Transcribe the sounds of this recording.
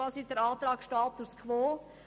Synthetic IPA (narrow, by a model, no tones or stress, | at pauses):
ɑːsid̥əɾɑːt̪ɾɑːkʃtɑːt̪uskʰʋoː